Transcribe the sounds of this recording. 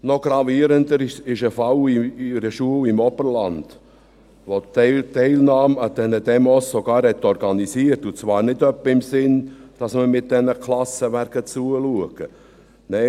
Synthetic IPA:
nɔɡ̥ɾɑviːəɾəndəɾɪʃɪʃəfɑliɾəʃuəwɪmɔb̥əɾlɑnd̥ | ʋotɛɪlnɑːməd̥ɛnəd̥ɛmɔsːoɡ̥ɑːɾhɛt̪ːɔɾɡ̥ɑnisiəɾtut͡sʋɑːɾnɪdœpːəɪmsɪnd̥ɑsməmɪt̚d̥ɛnəkʰlɑsəʋæɾɡət͡suəluəɡ̥ə | nɛɪ

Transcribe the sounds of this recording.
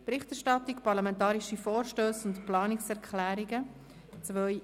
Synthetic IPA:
pɾɪχtɛɾʃtɑtːikpɑɾlamɛ̃ntɑːɾiʃifɔːɾʃtøːsʊntplɑːnɪksɛɾkʰlæːɾiɡə | t͡sʋœʏ

